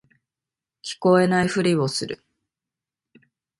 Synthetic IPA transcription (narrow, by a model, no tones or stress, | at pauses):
kʲi̥ko̞e̞naiɸɯ̟ɾʲio̞sɨɾɯ̰